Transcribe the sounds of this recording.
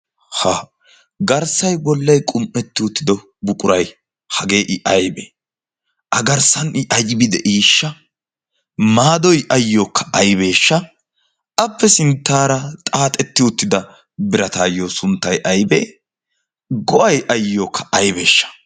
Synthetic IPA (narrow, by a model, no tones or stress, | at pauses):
haː | ɡɐɾsɐjbɔlːɐjkʼʊmʔɛt̪ːɪʊt̪ːɪd̪ɔ | bʊkʼʊɾɐj | hɐɡe̞ːʔɪʔɐjbḛ | ʔɐɡɐɾsɐnɪʔɐjbɪd̪ɛʔiːʃːɐ | maːd̪ɔjʔɐjːoːkːɐ̥ʔɐjbe̞ːʃːɐ | ɐpːɛsɪnt̪ːaːɾɐt̪ʼaːt̪ʼɛt̪ːɪʊt̪ːɪd̪ɐ | bɪɾɐt̪aːjːoːsʊnt̪ːɐjʔɐjbeː | ɡɔʔɐjʔɐjːoːkːɐ̥ʔɐjbe̞ːʃːɐ̥